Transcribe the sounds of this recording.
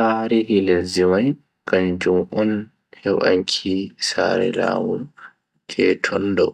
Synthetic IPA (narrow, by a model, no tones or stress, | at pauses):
saɾɛhilɛlzimaj | kand͡ʒumʔɔn | hɛwʔa̰ŋkʰisaɾɛ̰la̰ːmul | d͡ʒɛtʰɔndɔ